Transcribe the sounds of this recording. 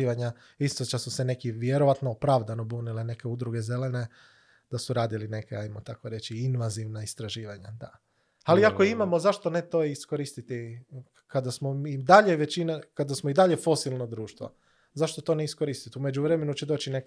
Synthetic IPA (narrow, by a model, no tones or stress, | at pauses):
iʋaɲa | ist̪ot͡ʃasuse̞ne̞kiʋjeɾo̞ʋat̪noopɾaʋd̪ano̞buːnilene̞ke̞ud̪ɾuɡeze̞le̞ne̞ | d̪̥asuɾaːd̪iline̞keajmot̪akoɾe̞t͡ʃiinʋaziʋnaist̪ɾaʒiːʋaɲad̪a | aliako̞imamo̞zaʃt̪onet̪o̞jisko̞ɾist̪it̪i | kad̪asmomid̪aʎeʋe̞t͡ɕinakad̪asmoid̪aʎe̞fo̞silˠnod̪ɾuːʃt̪ʋo̰ | zaʃt̪o̞t̪o̞neisko̞ɾist̪it̪ume̞d͡ʒuʋɾe̞me̞nut͡ʃed̪o̞ːt͡ʃine̞k